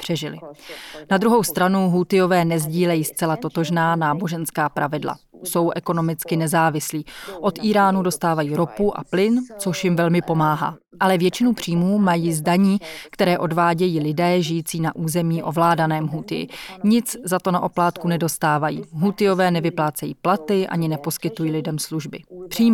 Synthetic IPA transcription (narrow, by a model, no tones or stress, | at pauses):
pr̥ɛʒɪlɪ̰nad̪ɾuɦo̞wst̪ɾanuɦut̪ɪjo̞vɛːnɛzɟiːlɛjiːst͡sɛlat̪o̞t̪o̞ʒnaːnaːbo̞ʒɛnskaːpɾʔavɪdla̰ | so̞wʔɛko̞no̞mɪt͡skɪnɛzaːvɪsliːʔo̞t̪ʔiːɾaːnudo̞st̪aːvajiːɾo̞puʔa̰plɪnt͡so̞ʃjɪmvɛlmɪpo̞maːɦa̰ː | ʔalɛvjɛt͡ʃɪnupr̝̥iːmuːmajiːzdaɲiːkt̪ɛɾɛːʔo̞dvaːɟɛjiːlɪdɛːʒɪjiːt͡siːnaʔuːzɛmiːʔo̞vlaːdanɛːmɦut̪ɪjɪ̰ɲɪt͡szat̪o̞naʔo̞plaːt̪kunɛdo̞st̪aːvajḭːɦut̪ɪjo̞vɛːnɛvɪplaːt͡sɛjḭːplat̪ɪʔa̰ɲɪnɛpo̞skɪt̪ujiːlɪdɛmsluʒbɪpr̥iːm